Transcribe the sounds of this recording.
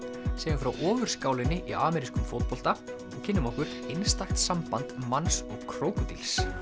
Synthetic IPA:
seːjʏnfɾawʔɔːvʏɾ̥skaːwlɪnːɪʔiʔaːmɛɾiskʏmfowt̪̚pɔl̥t̪a | ɔɣcʰɪnːʏmɔhkʏɾ̥ejnst̪axt̪sampant̪mansɔɣkʰɾoːwkʏt̪ils

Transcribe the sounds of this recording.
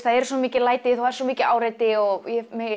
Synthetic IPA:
θaðɛɾ̥sɔmiːcɪlaːjt̪ɪθuɛɾswɔmiːcɪaːwɾajt̪ɪɔɣjɛmɪ

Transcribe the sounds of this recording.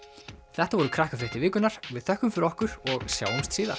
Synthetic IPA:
θɛht̪avɔɾʏkʰɾahkafɾɪht̪ɪvɪːkʏnaɾ̥vɪðθœhkʏmfɪɾɔhkʏɾ̥ɔɣsja̰ːwɪmst̪siːða̰̥

